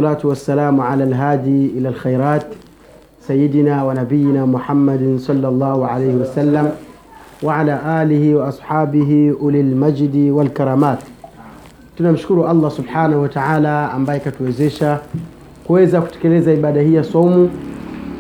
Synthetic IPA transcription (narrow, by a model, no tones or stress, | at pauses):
laːtuwasːalaːmʕalalɦaːd̪iʔilalxajɾaːt | sajːid̪inaːwanabijːinaːmuħamːadsˤɑlːalˤːɑːhuʕa̰lajhiwasalːam | waʕalaːʔaːlihiwaʔɑsˤħaːbiɦiʔʊlalmad͡ʒdiwalkaɾˤaːmaːt | tunamʃʊ̥kuɾuʔɑlˤːɑsʊbħaːnahuwataʕaːlaa̰mbaːjɛkatuwɛzɛʃa | kuwɛzaku̥tɛ̥kɛlɛzaiɓaːdahiːjasomu